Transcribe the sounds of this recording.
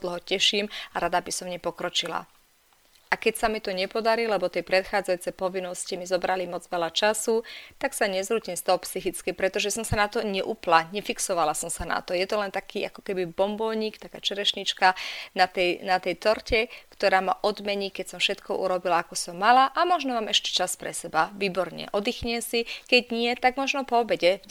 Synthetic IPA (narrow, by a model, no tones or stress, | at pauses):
d̪l̩ɦɔcɛʃiːmaɾad̪abisɔmɲɛpɔkɾɔt͡ʃila̰ | ʔakɛcsamit̪ɔɲɛpɔd̪aɾilɛbɔt̪ɛjpɾɛt̪xaːd͡zajuːt͡sɛjpɔʋinːɔscimizɔbɾalimɔd͡zʋɛlat͡ʃasut̪aksaɲɛzɾuːcimst̪ɔlpsixit͡skipɾɛt̪ɔʒɛsɔmsanat̪ɔɲɛʔuːplaɲɛfiksɔʋalasɔmsana̰t̪ɔjɛt̪ɔlɛnt̪akʰiːakɔ̥kɛbibɔmbɔlɲiːkt̪akaːt͡ʃɛɾɛʃɲit͡ʃkanat̪ɛjnat̪ɛjt̪ɔɾcɛkt̪ɔɾaːma̰ʔɔd̪mɛɲikɛcsɔmfʃɛt̪kɔʔṵɾɔbilaakɔsɔmːalaʔamɔʒnɔmaːmɛʃcɛ̥t͡ʃaspɾɛsɛbaʋiːbɔɾɲɛ̰ʔɔd̪ixɲɛsikɛɟɲɪɛt̪aɡmɔʒnɔpɔːbɛɟɛ